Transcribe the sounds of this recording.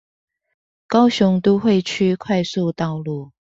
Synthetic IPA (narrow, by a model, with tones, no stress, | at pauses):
kɑ˥ʊɕʊ˧˥ŋt̪o˥xwe˥˨ɪt͡ɕʰy˥kʰwa˥˧ɪsu˥˧t̪ɑ˥˧ʊlu˥˩